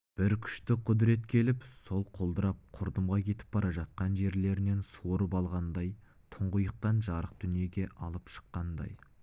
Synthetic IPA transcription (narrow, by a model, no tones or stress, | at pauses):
b̥ɪɾkʲʰʏ̥ʃt̪ɪqʰʊd̪ɾe̞t̪kʲʰe̞lɪpso̞lˠqʰo̞lˠd̪əɾɑp̚qʰʊɾd̪əmʁɑkʲʰe̞t̪ɪ̥p̚b̥ɑɾɑʒɑt̪̚qɑnʒe̞ɾle̞ɾɪne̞nsoɾəpɑlˠʁɑnd̪ɑj | t̪ʰʊɴʁʊjəq̚t̪ɑnʒɑɾəq̚d̪̥ʏnije̞ɡʲe̞ʔɑlˠəpʃə̥qːɑnd̪ɑ̰j